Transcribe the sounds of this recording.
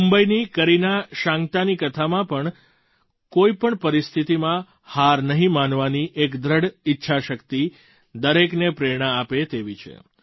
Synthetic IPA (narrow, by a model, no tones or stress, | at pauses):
umbəinikəɾinaʃãŋt̪anikət̪ʰamãpəɳ | koipəɳpəɾist̪ʰit̪imã | haɾnəɦĩmanʋaniʔekd̪ɾəɽitːʃʰaʃəkt̪i | d̪əɾeknepɾeɽ̃aːpet̪eʋit͡ʃʰḛ